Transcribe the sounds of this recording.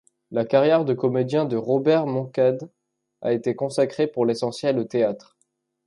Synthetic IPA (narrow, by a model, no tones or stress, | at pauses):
lakaʁjɛʁd̪əkɔmed̪jɛ̃d̪əʁɔbɛʁmɔ̃kad̪ | a̰et̪ekɔ̃sakχepuʁlesɑ̃sjɛlot̪eat̪χ